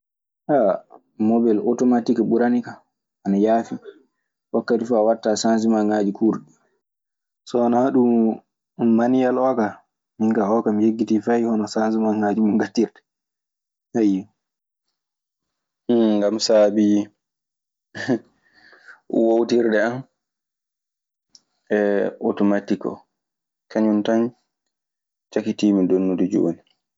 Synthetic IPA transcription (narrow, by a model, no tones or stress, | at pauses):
ʔa | mɔbɛlʔɔtɔmatikɛɓuɾanika | anajaːfi | wakːatifuawatːasans̬imaŋad͡ʒikʰuɾɗi | sɔanahaɗu | manijalɔka | miŋkahɔkamijeɡːitifajhɔnɔsansimaŋad͡ʒimuŋɡatːiɾɗɛ̥ | haji | ɡamsaːbi | wowtiɾɗɛan | ɛɔtɔmatːikɔ̰ | kʰaɲuntan | t͡ʃakitiːmidonːudud͡ʒṵwo̰ni